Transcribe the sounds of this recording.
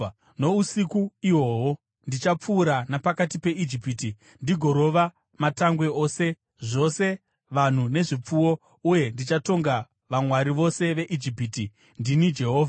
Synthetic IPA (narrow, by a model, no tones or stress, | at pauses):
no̞usikuiwo̞ːwo | ndit͡ʃap͡fuːɾanapakatipe̞id͡ʒipiːti | ndiɡʱo̞ɾo̞ʋa | mataŋɡwe̞o̞ːse̞ | ʐo̞se̞ | ʋan̤une̞ʐip͡fuwo̞ | uje̞ndit͡ʃato̞ŋɡa | ʋamwaɾiʋo̞se̞ʋe̞ʔid͡ʒipiːti | ndinid͡ʒe̞ɦoːva